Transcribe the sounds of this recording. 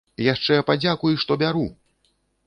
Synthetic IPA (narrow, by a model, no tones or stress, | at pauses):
jaʂt͡ʂɛpad͡zʲakujʂt̪ɔbʲaɾu